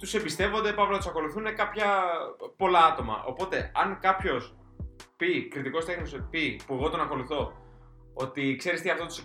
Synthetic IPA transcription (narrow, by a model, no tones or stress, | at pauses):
t̪use̞pist̪e̞vo̞nd̪epɐvlot̪usɐko̞luθune̞kɐpçɐpo̞lɐɐt̪o̞mɐ̰ʔo̞̰po̞t̪e̞ɐŋkɐpço̞s | pikɾit̪iko̞st̪e̞xniospipue̞ɣo̞t̪o̞nɐko̞luθo̞ | ot̪ikse̞ɾist̪iɐft̪ot̪us